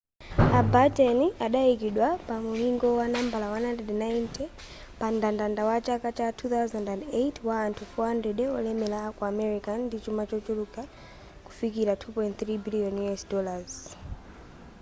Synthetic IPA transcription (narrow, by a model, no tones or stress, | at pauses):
abatɛniʔaɗaikiɗwapamuliŋɡɔwanambalawanandɛdnajntɛ | pandandandawat͡ʃakat͡ʃatʰuθawzandandejtʰwantufɔhandɾɛdɛɔlɛmɛlakwaːmɛɾikandit͡ʃumat͡ʃɔt͡ʃuluka | ku̥fikiɾatʰupɔjnt̪θɾibiliɔnjuɛsdɔlaz̥